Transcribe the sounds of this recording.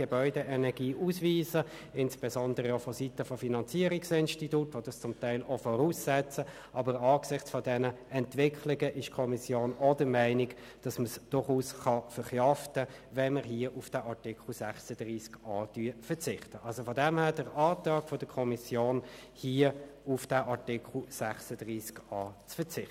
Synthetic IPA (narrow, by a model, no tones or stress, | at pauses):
ɡ̥ɛbœʏdɛʔɛnɛʁɡiːʔusviːzə | ɪnsb̥ɛsɔndəʁəofɔsitəfɔfinɑnt͡siːɾɪksɪnʃtitutʋod̥ɑst͡sʊmtæɪlofɔɾuːsːɛt͡sə | ʔɑbəɾɑːɡsɪχt͡sfɔdɛnəɛntvɪkʰlɪɡəʔɪʃkʰɔmisjoːnɔdəmæɪnɪk | d̥ɑsməsd̥ʊɾχuːsχɑfəɾχjɑftəvɛnməɾɦiəʔufd̥æʔɑʁtɪkʰl̩sæχsəd̥ʁiːskɑːdyːfət͡sɪχtəʔɑlsofɔdɛmhæːd̥əɾɑːtɑːkfɔd̥əkʰɔmisjoːn | hiəufd̥æʔɑʁtɪkʰl̩sæχsəd̥ʁiːskɑːt͡sfət͡sɪχtə